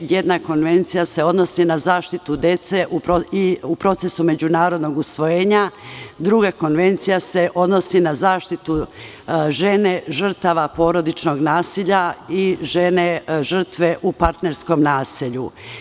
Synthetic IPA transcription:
jed̪nako̞nʋe̞nt̪sijase̞o̞d̪no̞sinazaːʃt̪it̪ud̪e̞t̪seʔupɾoiupɾo̞t̪se̞sume̞d͡ʑunaːɾo̞d̪no̞ɡusʋo̞jeːɲad̪ɾuɡako̞nʋe̞nt̪sijase̞ʔo̞d̪no̞sinazaːʃt̪it̪u | ʒe̞ne̞ʒr̩t̪aʋapo̞ːɾo̞d̪it͡ʃno̞ɡnaːsiʎaiʒeneʒr̩t̪ʋe̞ʔupaɾt̪ne̞ɾsko̞mnaːsiʎu

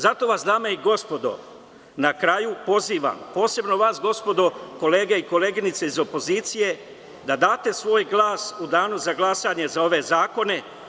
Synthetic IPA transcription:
zat̪o̞ʋasd̪aːmaiɡo̞spo̞d̪o̞̰ | nakɾajupo̞ziːʋa̰mpo̞ːse̞bno̞ʋaːsɡo̞spo̞d̪o̞ko̞leːɡeiko̞leːɡinit̪se̞izo̞po̞ziːt̪sije̞ | d̪ad̪aːt̪e̞sʋo̞ːjɡlˠaːsud̪aːnuzaɡlˠasaɲe̞zao̞ʋe̞zaːko̞ne̞

